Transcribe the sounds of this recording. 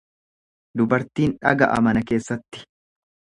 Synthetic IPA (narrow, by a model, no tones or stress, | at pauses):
d̪ʊbɐɾt̪iːnᶑɐ̰ɡɐʔɐ̰mɐnɐke̞ːsːɐt̪ːɪ̥